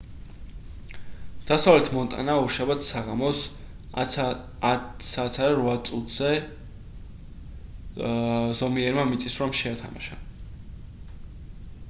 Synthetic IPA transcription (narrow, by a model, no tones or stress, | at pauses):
d̪̥asavlɛt̪ʰmɔnt̪ʼa̰naɔɾʃabat̪ssaʁamɔs | sat̪sʰad̪aɾvat̪sʼut̪ʰz̥ɛ | zɔmiɛɾmamit̪sʼisɾɔmʃɛat̪ʰa̰ma̰ʃa